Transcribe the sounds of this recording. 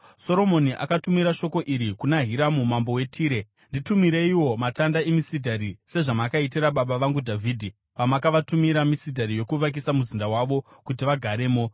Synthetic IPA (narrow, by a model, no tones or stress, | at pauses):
so̞ɾo̞mo̞niʔa̰katumiɾaʃo̞ko̞ʔiɾikunaɦiɾamumambo̞we̞tʰiːɾe̞ | nditumiɾe̞iwo̞matandaemisidʱaɾise̞ʐamakait̬iɾaɓaɓaʋaŋɡudʱavʱiːdʱi | ʋamakaʋatumiɾamisidʱaɾijo̞kuʋak̬isamuzindawaʋo̞kutiʋaɡʱaɾe̞ːmo̞